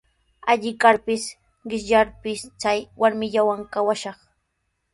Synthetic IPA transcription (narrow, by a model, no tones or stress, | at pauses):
aʎɪkaɾpɪs | ɢɪʃʎaɾpɪst͡sajwaɾmɪʎawaŋkawaʃɑχ